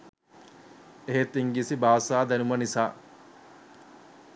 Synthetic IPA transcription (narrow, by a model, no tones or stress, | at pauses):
eɦet̪iŋɡisibaːsaːd̪ænumɐnisaː